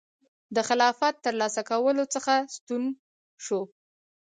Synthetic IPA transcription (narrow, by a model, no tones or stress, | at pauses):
d̪əxɪlɑfat̪ːəɾlɑsakawəlot͡səxast̪un | ʃo